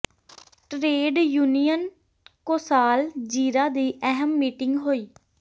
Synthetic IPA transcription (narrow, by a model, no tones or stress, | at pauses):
ʈɾeːɖjuːnijən | koːsaːld͡ʒiːɾaːd̪iːʔɛɦəmːiːʈɪŋɡɦoːiː